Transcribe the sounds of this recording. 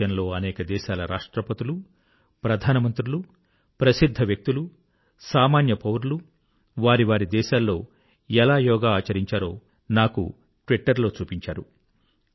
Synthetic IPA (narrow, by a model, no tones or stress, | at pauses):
ɐnlo̞ːɐnɛːkɐd̪ɛːʃaːlɐɾʔaːʂʈɾɐpɐt̪ulu | pɾɐd̪ʱaːnɐmɐnt̪ɾulu | pɾɐsid̪ʱːɐʋjɐk̚t̪ulu | saːmaːnjɐpɐwɾlu | ʋaːɾiʋaːɾid̪ɛːʃaːlːo̞ː | ɛlaːjɔːɡaaːt͡ʃɐɾiɲt͡ʃaːɾo̞ː | naːkṵ | ʈʋiʈːɐɾlo̞ːt͡ʃuːpiɲt͡ʃaːɾu